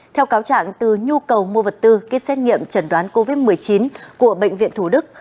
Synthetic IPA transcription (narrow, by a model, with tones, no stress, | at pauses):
t̪ʰɛ˧wkaː˨˦wt͡ɕa̰ː˧˨ŋt̪ɨ˨˩ɲu˧kə˨˩wmu˧əvə˨˩t̚t̪ɨ˧ki˦˥sɛ˦˥ŋḭ˧˨əmt͡ɕə˧˩nɗwaː˨˦nko˧vi˦˥t̚mɨ˨˩əjt͡ɕi˨˦nku˧˩əɓḛ˧˨ŋ̟vḭ˧˨ənt̪ʰu˧˩ɗɨ˦˥k̚